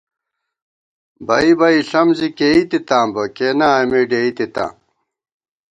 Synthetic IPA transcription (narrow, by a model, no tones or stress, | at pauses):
bɐibɐiɬɐmzikeit̪it̪ãːmbɐkeːnaɐmeɖeːit̪it̪ã̰ːm